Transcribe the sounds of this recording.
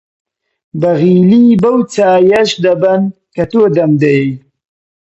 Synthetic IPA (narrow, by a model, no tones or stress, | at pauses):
bɐɣilibɐwt͡saːjaʃd̪ɐbɐn | kat̪od̪ɐmd̪e